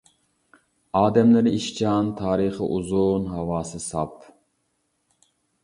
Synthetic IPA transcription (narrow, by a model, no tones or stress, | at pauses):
ɑːd̪ɛmlɨnɪiʃt͡ʃʰɑnt̪ʰɑːɾɨχɨ̰ʔuzunɦɑwɑːsɨsɑ̰p